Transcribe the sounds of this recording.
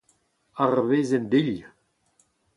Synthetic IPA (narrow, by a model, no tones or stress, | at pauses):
aʁveːzɛnd̪iʎ